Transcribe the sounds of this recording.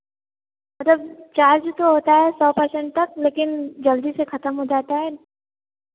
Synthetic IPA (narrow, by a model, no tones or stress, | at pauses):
mɐt̪ləb̚t͡ʃaːɾd͡ʒt̪oɦoːt̪aɦɛsɔːpəɾsɛ̃ɳʈ̚t̪ɐkleːkɪnd͡ʒɐld̪isexɐt̪əmɦod͡ʒaːt̪aɦɛ